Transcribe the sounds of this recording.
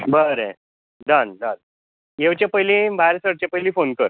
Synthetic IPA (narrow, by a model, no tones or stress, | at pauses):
bəɾẽ | ɖəndən | jewt͡ɕẽpəjlibaɾsəɽt͡ɕepəjlĩfonkəɾ